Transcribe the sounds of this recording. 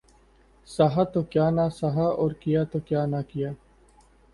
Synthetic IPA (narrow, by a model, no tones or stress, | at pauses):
saɦat̪okjaːnasaɦaɔːɾkijaːt̪oːkjaːnakɪjaː